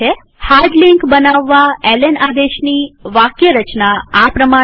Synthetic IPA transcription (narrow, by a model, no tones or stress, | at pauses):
e | haɾɖliŋkbənaʋːaɛlenad̪eʃniʋakjəɾət͡ʃnaapɾəma